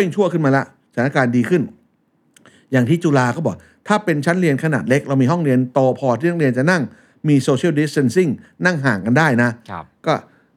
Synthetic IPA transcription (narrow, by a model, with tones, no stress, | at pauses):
e˥˩ŋt͡ɕʰu˥˩əkʰɯ˥˩maː˧lɛ˦˥ʔ | a˨˩˦a˥˩kaː˧ndiː˧kʰɯ˥˩n | jaː˨˩ŋt̪ʰiː˦˥˩t͡ɕu˧laː˧kɔː˥˩bɔː˨˩k̚ | t̪ʰaː˥˩pe˧nt͡ɕʰa˦˥nɾi˧ənkʰa˧naː˨˩t̪̚le˦˥k̚ɾa˧wmiː˧ɦɔ˥˩ŋɾi˧ənt̪oː˧pʰɔː˧t̪ʰiː˥˩˦li˧ənt͡ɕa˨˩na˥˩ŋ | miː˧soː˧t͡ɕʰi˥˩wdi˦˥ste˧˥nsi˥˩ŋna˥˩ŋɦaː˨˩ŋka˧ndaː˥˩jna˦˥kɔː˥˩